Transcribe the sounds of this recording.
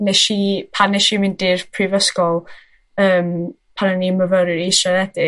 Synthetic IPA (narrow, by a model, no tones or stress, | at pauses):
nɛʃipʰanɛʃimɪndɪrpʰrɪvəskɔlˠ | əːm | pʰanəniməvəɾɨɾisraðɛdɪ